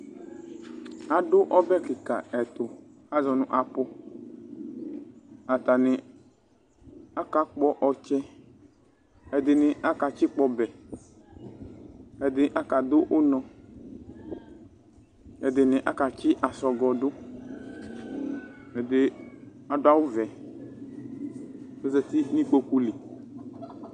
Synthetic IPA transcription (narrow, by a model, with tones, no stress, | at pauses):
a˨dʊ˦ʔɔ˦bɛ˦ki˨ka̰˨ɛ˨t̪ʊ˨ | a˦zɔ˨nʊ̃˦ʔa˨pʊ˦ | a˨t̪a˨nɪ̃˨ | a˦ka˦k͡pɔ˦ʔɔ˨t͡ʃɛ˦ | ɛ˨d̪ɪ˨nɪ̃˨ʔa˦ka˨t͡ʃi˦k͡pɔ˦bɛ˨ | ɛ˨d̪ɪ˨ʔa˦ka˨d̪ʊ˦ʔʊ˦nɔ̃˨ | ɛ˨d̪ɪ˨nɪ̃˨ʔa˦ka˨t͡ʃɪ˦ʔa˨sɔ˨ɡɔ˨dʊ˦ | ɛ˨d̪ɪ˦ | a˨dʊ˦a˦wʊ˦vɛ˨ | ɛ˦zɛ˨t̪ɪ˦nĩ˦k͡po˦ku˦li˨